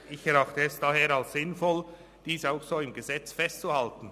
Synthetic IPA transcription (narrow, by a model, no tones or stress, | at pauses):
ʔɪçɛɾɑχtəɛsd̥aɦeːɾalsz̥ɪnfɔl | d̥iːsaʊxsoːɪmɡəzɛt͡sfɛstt͡suhaltn̩